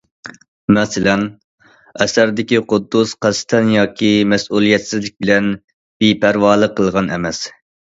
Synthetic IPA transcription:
mɛsɪlɛn | ɛsæɾd̪ɪkʲiqʊd̪ːusqʰæst̪ʰɛnjɑːkʲʰimɛsulˠijɛt̪sɪzlɪk̚ʲbɪlɛn | b̥ipʰæɾwɑːlˠəqʰːəlˠʁɑnɛ̰mɛs

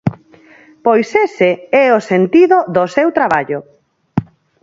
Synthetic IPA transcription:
pojseseɛosent̪iðoðosewt̪ɾaβaʎo

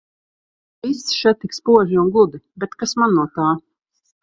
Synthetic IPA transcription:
ist̪ːʃɛt̪ːikspuɔʒiunɡud̪ibɛt̪kasmanːuɔt̪aː

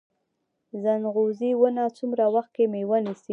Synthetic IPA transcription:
zanɣoziwənat͡sumɾawaxt̪̚kemewənisi

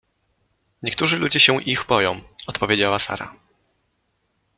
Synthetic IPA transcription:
ɲɛk̚t̪uʐɘlud͡ʑɛɕɛ̃ʔiɣbɔjɔ̃w̃ɔt̪pɔvʲjed͡ʑawasa̰ɾa̰

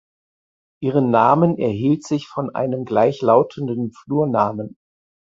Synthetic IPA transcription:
ʔiːʁ̞ənːaːmənɛɐɦiːltz̥ɪçfɔnʔa̰ɪnəmɡlaɪçlaʊtʰəndənfluːɐnaːmən

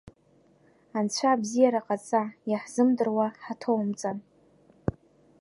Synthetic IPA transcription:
ant͡ɕʷʰabzijaɾaqʼat͡sʼajaħz̥ɨmdɨrwaħatʰowmt͡sʼan

